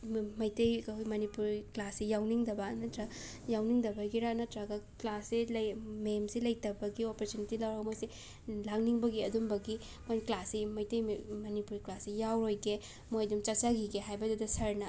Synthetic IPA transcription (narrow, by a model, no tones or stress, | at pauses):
mɐjtɐjkkʰojmɐnipuɾklasːijawniŋdɐbanɐtɾɐ | jawniŋdɐbɐɡiɾanɐtɾaɡɐklasːelɐmemsilɐjtɐbɐɡiopɐɾtunitilawɾawmojse | laŋniŋbɐɡiɐdumbɐɡi | mojklasimɐjtɐjmɐnipuɾiklasːijawɾojke | mojdumt͡ʃɐt͡ʃaɡiɡeɦajbɐdudɐsɐɾnɐ